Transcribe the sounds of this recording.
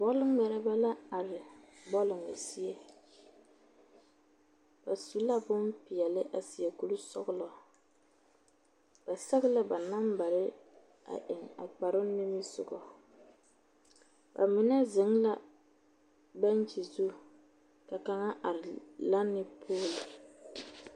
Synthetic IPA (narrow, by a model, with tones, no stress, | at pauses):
bɔ˦lɪ˦ŋmɛ˦ɾɛ˦ba˦la˦a˨ɾɪ˨ | bɔ˦lɪ˨ŋa˨si˦e˦ | ba˨su˨la˦bʊ˦mpi˨jɛ˨lɪ˦ʔa˨si˨jɛ˨ku˦lu˦sɔ̰˦ɣʊ˦lɔ˨ | b̥a˨sɛ˦ɣɪ˦la˦ba˨na˦mba˨ɾɪ˦ | a̰˨ʔɪ˨ŋa̰˨k͡pa˨ɾɪ˦nːɪ˦mi˦zʊ̰˨ɡɔ˨ | ba̰˨mɪ˦nɛ˦zɪ˨˦ŋla˦ | ba˦n˦t͡ʃi˨zu˦ | ka˨ka˦ŋa˦ʔa˨ɾɪ˨la˦nːɪ˦pʰoː˦lʊ˨